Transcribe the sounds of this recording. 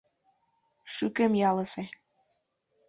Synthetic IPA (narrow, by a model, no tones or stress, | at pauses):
ʃykemjɑlɤ̆sĕ